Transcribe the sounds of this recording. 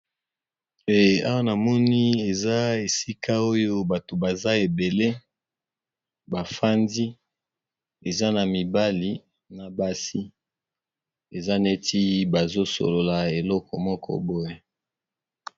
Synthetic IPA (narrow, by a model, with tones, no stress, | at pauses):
e˨a˦wa˦na˨mɔ˦ni˦e˨za˦e˨si˦kʰa˦o˦jo˦ba˨to˨ba˨za˦e˨be˨le˦ | ba˨fa˦ndi˦ | e˨za˦na˨mi˨ba˦li˨ | na˨ba˦si˦ | e˨za˦ne˦ti˦ba˨zo˦so̰˨lo˨la˨e˨lɔ˦kʰɔ̰˨mɔ˦kʰɔ̰˦bo˦je˦